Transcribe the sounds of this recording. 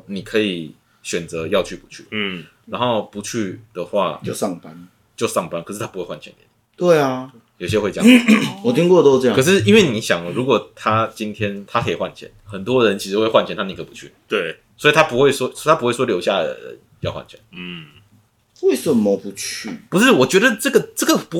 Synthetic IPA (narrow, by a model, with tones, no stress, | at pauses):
ni˨˩kʰɤ˧˥i˨˩ | ɕɥɛ˨˩nt͡sɤ˨˦jɑ˥˧ʊt͡ɕʰy˥˩pu̥˨˦t͡ɕʰy̰˥˩ | ɻa˧˥nxo˥˩ʊpu˨˦t͡ɕʰy˥˩d̪ə˩xwa̰˥˩o˥˧sɑ˥˨ŋpa˦n | t͡ɕjo˥˧ʊʂɑ˥˩ŋpa˥nkʰʂɻ̩ʰ˥˩a˥pu˧˥we˥˧ɪwa˥˩nt͡ɕʰɛ̰˧˦nɛ̰˧˦n˨t̪we˥˩ɪa˩ | jo˨˩ʊɕjɛ˦xwe˥˧ɪ̰˥˨ɔ˨˩t̪ʰi˥ŋkwɔ˥˨t̪o˥˧ɤ˥˧jɑ̃˥kʰɤ˨˩ʂɻ̩˥˩i˥nwe˥˩ɪni˨˦ɕjɑ˨˩ŋɻu˧˥kwɔ˨˩t̪ʰa˥t͡ɕi˦nt̪ʰjɛ˥nt̪ʰa˥kʰə˧˥i˨˩xwa˥˨nt͡ɕʰjɛ̰˧˦nxə˨˩nt̪wɔ˦ɻə˧˦nt͡ɕʰi˧˥ʂɻ̩˧xwe˥˧ɪxwa˥˩nt͡ɕʰɛ˧˦nt̪ʰa˥ni˨kʰə˧˥˨pu˧˦t͡ɕʰy̰˥˨t̪we˥˩ | swɔ˧˥i˨t̪ʰa˥pu˧˥xwe˥˩ɪswɔ˥t̪ʰa˥pu˧˥xwe˥˩ɪswɔ˥ljo˧ʊɕja˥˩ə̰˨˩ə̰˨˦n | jɑ˥˧ʊxwa̰˥˩nt͡ɕʰjɛ̰˧˦n̩ | we˥˩ɪʂə˨˩mə˨pu˨˧˦t͡ɕʰy˥˩pu˧˥ʂɻ̩˥˩wɔ˨˩t͡ɕɥɛ˧˥d̪ə˨ʈ͡ʂɤ˥˩ɡə˨ʈ͡ʂə˥˩ɡə˩pu˧˥